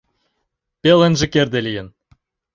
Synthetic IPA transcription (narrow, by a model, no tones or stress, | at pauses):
pʲelɘ̆nʒɘ̆kerd̪elʲijɘ̆n